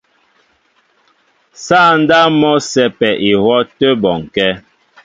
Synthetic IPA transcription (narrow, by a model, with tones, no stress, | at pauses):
sa˦˨n̩˦da˦mɔ˦sɛ˨pɛ˨ʔi˨hɔ˦tə˦bɔ˨ŋkɛ˦